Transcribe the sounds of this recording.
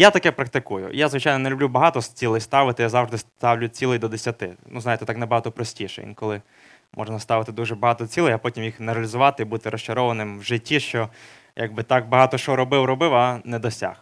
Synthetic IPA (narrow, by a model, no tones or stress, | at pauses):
jat̪ɐkɛpɾɐk̚t̪ɪkujʊ̰jazʋɪt͡ʃajnɔnelʲʊblʲubɐɦɑt̪ɔst͡sʲilˠɪjst̪ɑʋɪt̪ɪjazɑwʐd̪ɪst̪ɑwlʲʊt͡sʲilˠɪjd̪ɔd̪esʲɐt̪ɪnuznɑjɪt̪ɛt̪ɑknɐbɐɦɑt̪ɔpɾɔsʲtʲiʃɛ̰jḭnkɔlˠɪ | mʔɔ̰ʒnɐst̪ɑʋɪt̪ɪd̪uʐɛbɐɦɑt̪ɔt͡sʲilˠɪjɐpɔtʲimjixneɾɐlʲizʊʋɑt̪ɪibut̪ɪɾɔst͡ʃɐɾɔʋɐnɪmwʒɪtʲːiʃt͡ʃɔ | jʔaɡ̚bɪt̪ɑɡ̚bɐɦɑt̪ɔʃɔɾɔbɪwɾɔbɪwanɛd̪ɔsʲa̰x